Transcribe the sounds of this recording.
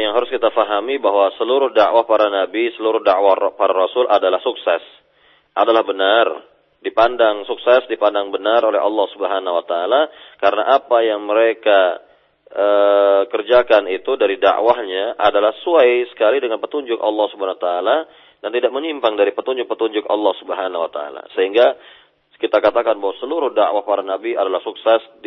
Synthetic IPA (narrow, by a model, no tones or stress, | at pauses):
jaŋɦaɾʊskit̪afaɦamibaɦwasəluɾʊhdaʔwahpaɾanabisəluɾʊhdaʔwapaɾaɾɔsʊlʔadalahsuksɛs | ʔadalahbənar | dipandaŋsuksɛsdipandaŋbənarolɛ̰ɦɑ̰lːɑhsubəɦanawat̪aːlakaɾənaʔapajaŋməɾeka | əkərd͡ʒakanit̪udaɾida̰ʔwahɲaʔadalahəsuajsə̥kalidəŋanpət̪uɲd͡ʒʊkɑ̰lːɑhsubəhant̪aːla | dant̪idak̚məɲimpaŋdaɾipət̪uɲd͡ʒʊk̚pət̪uɲd͡ʒʊkɑ̰lːɑhsubəɦanawat̪aa̰la̰səɦiŋɡa | kit̪akat̪akanbawasəluɾʊhda̰ʔwahpaɾanabiadalahsuksɛsd